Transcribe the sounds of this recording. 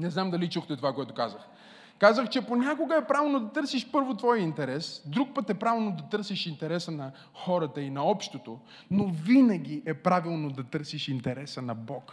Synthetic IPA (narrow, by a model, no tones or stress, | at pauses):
nɛznamd̪ɐlit͡ʃuxt̪ɛt̪ovakoɛt̪okazəx | kazəxt͡ʃɛponʲakoɡəɛpɾavɛlˠnod̪ɐt̪ɤɾsiʃpɤɾvot̪vɔjəint̪ɛɾɛsd̪ɾuk̚pət̪ɛpɾavʲɛlnod̪ɐt̪ɤɾsiʃint̪ɛɾɛsənɐ | xɔɾət̪əinɐɔpʃt̪ot̪o | novinəɡ̟ʲiʔɛpɾavilˠnod̪ɐt̪ɤɾsiʃint̪ɛɾɛsənɐbɔk